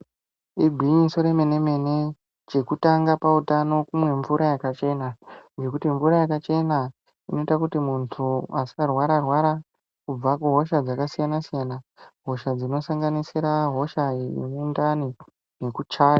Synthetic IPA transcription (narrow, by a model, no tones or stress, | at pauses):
ibʱiɲisoɾeme̞ne̞me̞ne̞ | t͡ʃe̞kutaŋɡapautano̞kumwe̞ɱvuɾʔajakat͡ʃe̞nand͡ʒe̞kutiɱvuɾajakat͡ʃe̞na | ino̞itakutimuntʰuasi̥karwaɾarwaɾa | kub͡vakuɦo̞ʃad͡zakasijanasijanaɦo̞ʃad͡zinosaŋɡanisiɾaɦo̞ʃainoendani | nekut͡ʃaːja